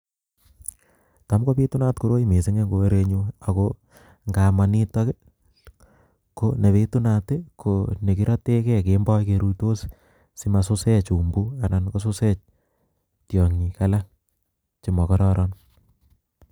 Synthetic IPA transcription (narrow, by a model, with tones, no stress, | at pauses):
ta˨˦mko˦pi˦tu˦na˦tku˨ɾo˦i˦me˨se˦ŋe˦ŋɡo˨e˦ɾe˧ɲua˨ko˦ | ŋɡa˨ma˨ni˦tɔ˦ke | kone˨βe˦tu˦na˨te˦kʰone˨ki˦ɾɔ˦te˦kɛ˦kembɔ˦jke˧ɾu˦jto˦s | si˦ma˨sʊ˦se˦t͡ʃu˨mbu˦a˨na˨nko˦su˦se˦t͡ʃ | tjɔ˨ŋɲi˨ka˦la˦ | t͡ʃi˨mɔ˨kɔ˦ɾɔɾʔɔn